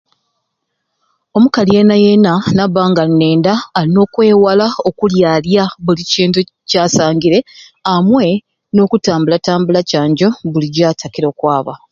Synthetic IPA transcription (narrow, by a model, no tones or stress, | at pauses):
o̞mukalie̞najenanaβaːŋɡanːe̞ːndaːino̞ːkwe̞ːwalao̞kuljaljaβuliciːntu | caːsaːŋɡiɾe̞ | amwe̞ | no̞ːkutaːmbulataːmbulacaːɲɟo̞βuliɟaːtʰakiɾo̞ːkwaːβa̰